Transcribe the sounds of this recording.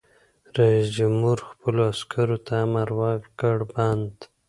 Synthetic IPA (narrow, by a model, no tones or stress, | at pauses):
ɾaisd͡ʒamhuɾxpəloaskʰaɾot̪ʰamaɾwɑkɡaɽband̪